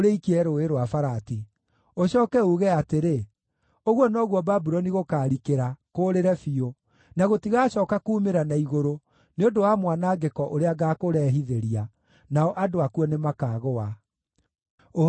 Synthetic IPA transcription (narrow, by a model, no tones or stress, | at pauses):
ɾeikiɛɾoeɾoafaɾati | oɕɔːkɛuɣɛateɾe | oɣwɔnɔɣwɔbabuɾɔniɣokaːɾikeɾakoːɾeɾɛfio | naɣotiɣaɕɔːkakuːmeɾanaiɣoɾo | neondowamwanaːɡekɔʔoɾeaɡaːkoɾɛɦiðeɾia | naɔʔadoakuɔnemakaːɣoa | o